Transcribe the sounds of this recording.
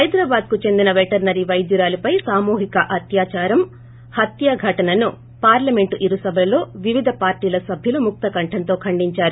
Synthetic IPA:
hɐjd̪ɾaːbaːd̪̚kut͡ʃe̞nd̪inɐʋeʈɐɾnɐɾiʋɐjd̪juɾaːlupɐjsaːmuːɦikɐʔɐt̪jaːt͡ʃaːɾɐm | hɐt̪jaɡʱɐʈɐnɐnu | paːɾlɐme̞ɳʈuʔiɾusɐbʱɐɐlo̞ːʋiʋid̪ʱɐpaːɾʈiːlɐsɐbʱjulumuk̚t̪ɐkɐɳʈʰɐnt̪o̞ːkʰɐɳɖiɲt͡ʃaːɾu

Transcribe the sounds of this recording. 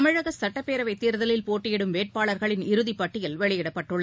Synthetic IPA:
ɐmɪɻɐɣɐsɐʈːɐpːeːɾɐʋɐɪt̪ːiːɾðɐlɪlpoːʈːɪjɛɽɯmʋeːʈ̚paːɭɐɾɣɐɭɪnɪɾɯðipːɐʈːɪjɪlʋɛɭɪjɪɽɐpːɐʈːɯɭːɐ

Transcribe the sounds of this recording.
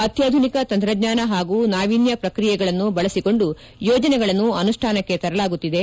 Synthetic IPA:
ɐt̪jaːd̪ʱunikɐt̪ɐnt̪ɾɐɡɲaːnɐɦaːɡuːnaːʋiːnjɐpɾɐkɾijɛɡɐɭɐnːubɐɭɐsiko̞ɳɖu | jɔːd͡ʒɐnɛɡɐɭɐnːuɐnuʂʈʰaːnɐkːe̞t̪ɐɾɐlaːɡut̪ːid̪e̞

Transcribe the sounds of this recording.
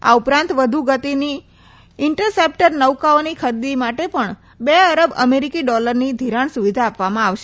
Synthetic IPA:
a̰upɾãnt̪ʋəd̪ʱuɡət̪ini | ɪɳʈəɾsep̚ʈəɾnəʋkaonikʰəɾd̪imaʈepəɳ | beəɾəbə̰meɾikiɖɔləɾnid̪ʱiɾãɳsuʋid̪ʱaːpʋamãaʋʃe

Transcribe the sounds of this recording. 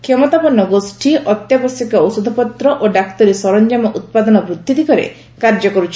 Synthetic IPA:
kʰemɔt̪apɔnːɔɡosʈʰiʔɔt̪jabɔsjikɔosud̪ʱɔpɔt̪ɾɔʔoɖakt̪ɔɾisɔɾɔnd͡ʒamɔʔut̪̚pad̪ɔnɔbɾud̪ʱːid̪ikɔɾḛ | kaɾd͡ʒɔkɔɾut͡ʃʰ

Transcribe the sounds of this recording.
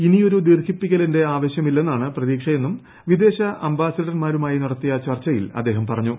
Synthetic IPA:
inijo̞ɾud̪iːrkʰipːikʲːɐlende̞aːʋɐɕjɐmilːe̞nːaːɳɨprɐðiːkʂɐje̞nːum | ʋid̪e̞ːɕɐʔɐmbaːsɐɐɽɐnmaːɾumaːjiniɽɐt̪ːijɐt͡ɕɐrt͡ɕːɐjilɐ̰d̪ːe̞ːɦɐmpɐrɐɲːu

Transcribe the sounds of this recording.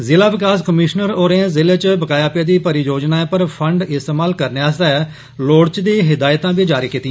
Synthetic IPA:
zɪlaːʋɪkaːskəmɪʃnəɾoːɾẽzɪleːt͡ʃbəkaːjaːpjaːd̪iːpəɾijoːd͡ʒnaːẽpəɾpʰəɳɖɪst̪eːmaːlkəɾneaːst̪ɛɛ | loːɽt͡ʃd̪iːɦɪd̪aːjt̪ãːbiːd͡ʒaːɾiːkiːt̪ĩ

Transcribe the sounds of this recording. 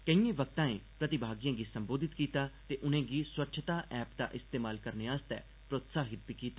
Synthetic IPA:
kəĩːẽːʋək̚t̪ãːḛ̃ːpɾət̪ɪbʱaːɡijãːɡiːsəmboːd̪ɪt̪kiːt̪aːt̪eːʔʊnẽːɡiːswətːʃʰət̪aːʔɛːpd̪a̰ːʔɪst̪eːmaːlkəɾneːaːst̪ɛ̰ː | pɾoːt̪saːɦɪt̪̚biːkiːt̪aː

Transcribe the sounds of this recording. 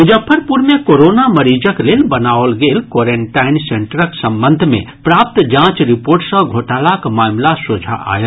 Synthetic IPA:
ʊd͡ʒəpʰːəɾpuɾmẽkoːɾoːnaməɾiːd͡ʒəkleːlbənaːwlɡeːlkwoːɾeɳʈaːɪnsẽɳʈəɾəksə̃mbənd̪ʱmḛ̃ | pɾaːp̚t̪d͡ʒãːt͡ʃɾɪpoːɾʈsə̃ɡʱoːʈaːlakmaːmlasod͡ʒʱa̰ʔa̰ːjə

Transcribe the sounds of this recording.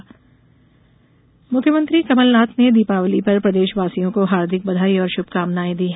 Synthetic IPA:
mʊkʰjəmə̃nt̪ɾikɐməlnaːt̪ʰned̪iːpaːwlipɐɾpɾɐd̪eːʃʋaːsijõkoɦaːɾd̪ʱɪk̚bɐd̪ʱaːiɔːɾʃʊb̚ʱkaːmnaːẽd̪iːɦɛː

